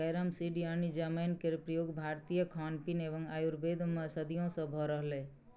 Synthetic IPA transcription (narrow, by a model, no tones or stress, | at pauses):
əjɾəmsiɖijanid͡ʒəmenkeɾpɾəjoːɡbʱaːɾt̪ijəkʰanpinebəŋɡaːjuɾbed̪ʱmesəd̪ijõsə̃bʱɔɾəɦle